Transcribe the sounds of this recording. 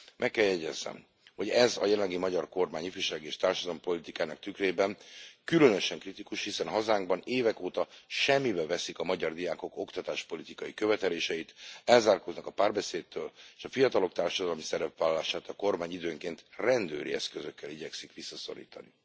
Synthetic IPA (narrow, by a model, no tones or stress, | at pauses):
mʔɛkːɛljɛɟɛzːɛ̰m | ho̞ɟɛzɒ̰jɛlɛlːɛɡimɒɟɒrko̞rmaːɲifyʃaːɡieːʃt̪aːrʃɒd̪ɒlɒmpo̞lit̪ikaːnɒk̚t̪ykreːbɛnkylønø̞ʃɛŋkrit̪ikuʃhisɛnɦɒzaːŋɡbɒneːvɛkoːt̪ɒʃɛmːibɛvɛsikɒmɒɟɒrd̪ijaːko̞ko̞kt̪ɒt̪aːʃpo̞lit̪ikɒjikø̞vɛt̪ɛleːʃɛjit̪ɛlzaːrkoznɒkɒpaːrbɛseːt̪ːøːleːʃɒfijɒt̪ɒlo̞kt̪aːrʃɒd̪ɒlmisɛɾɛpʋaːlɒlaːʃaːt̪ɒko̞rmaːɲid̪øːŋkeːnt̪rɛnd̪øːɾḭɛ̰skøzøkːɛliɟɛksikʋisːɒso̞̰ɾḭːt̪ɒ̰ni